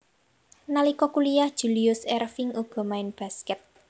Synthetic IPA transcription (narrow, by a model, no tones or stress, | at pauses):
nalikɔkulijahd̥ʒ̥ṳliʊsɛrfɪŋuɡ̥ɔ̤maɪnb̥a̤skɛt̪̚